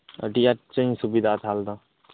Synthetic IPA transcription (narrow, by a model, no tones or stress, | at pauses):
ə̰ʈiat͡ʃə̃subid̪aːt̪ʰaːld̪a